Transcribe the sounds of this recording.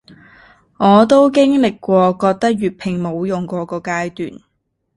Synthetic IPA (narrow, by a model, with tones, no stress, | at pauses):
ŋɔː˨˧t̪̬o˥wk̬ɪ˥ŋlɪ˨kːʷɔː˧kɔː˧k̚t̪ɐ˥k̚jyː˨t̚pʰɪ˨˩ŋmo˨˧wjʊ˨ŋkɔː˨˧kɔː˧kaː˧˥jt̪y̰ː˨n